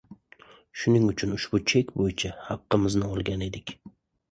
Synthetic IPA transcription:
ʃʊnɪŋʊt͡ʃʰʊnʊʃbʊt͡ʃʰekʲbojɪt͡ʃʰahɑqːɨmɪznɪɒlˠɡʲane̞d̪ɪkʲ

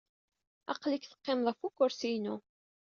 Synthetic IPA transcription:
ɑ̰qlikθə̥qːemðˤæfukːʊɾsijnu

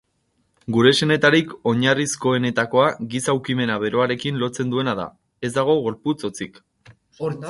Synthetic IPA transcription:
ɡuɾe̞se̞ne̞t̪aɾiko̞ɲarisko̞e̞ne̞t̪ako̞aɣisawkime̞naβe̞ɾo̞aɾe̞kinlo̞t͡se̞nd̪ue̞naða̰ | e̞zd̪aɣ̞o̞ɣo̞ɾput͡so̞t͡sik

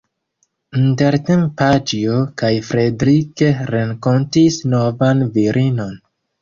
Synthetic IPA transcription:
inteɾtempad͡ʒiokajfɾedɾikeɾeŋko̞ntisno̞vanviɾʔino̞n

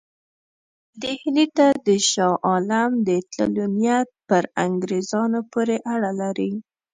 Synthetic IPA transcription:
d̪ehnit̪ad̪əʃɑʔɑlamd̪ət̪la̰lunjat̪̚pəɾa̰ŋɡɾezɑnopoɾeʔaɽalaɾi

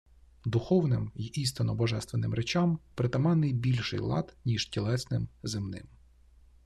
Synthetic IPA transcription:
d̪ʊxɔwnɪmjist̪ɪnɔbɔʒɛst̪ʋenɪmɾet͡ʃɑmpɾɪt̪ɐmɑnɪjbʲilʲʃɪ̰jlˠɑ̰d̪nʲiʃtʲilˠɛsnɪmzɪmnɪ̰m

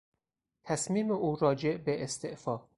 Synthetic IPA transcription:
t̪ʰæsmiːmeʔuːɾɒːd͡ʒeʔbeʔest̪eʔfɒː

